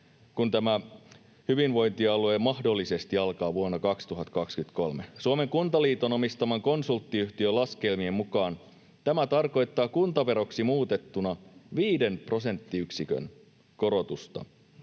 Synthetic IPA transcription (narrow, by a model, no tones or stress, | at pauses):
kunt̪æmæ | hyʋinʋo̞jnt̪iɑluemɑhdo̞lːise̞st̪iɑlkɑːʋuonːɑkɑkst̪uɦɑt̪kɑkskyt̪ko̞lmesuome̞ŋkunt̪ɑliːt̪o̞nomist̪ɑmɑŋko̞nsult̪ːiyht̪iølɑske̞lmiemmukɑːn | t̪æmæt̪ɑrko̞jt̪ːɑːkunt̪ɑʋe̞ɾo̞ksimuːt̪et̪ːunɑʋiːde̞npro̞se̞nt̪ːiyksikø̰n | ko̞ɾo̞t̪ust̪ɑ̰